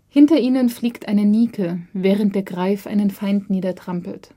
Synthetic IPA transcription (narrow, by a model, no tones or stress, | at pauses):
hɪntɐʔiːnənfliːktʔaɪnəniːkʰəvɛːʁ̞ənt̚d̥eːɐɡʁaɪfʔa̰ɪnənfaɪntniːdɐtʁ̥ampl̩t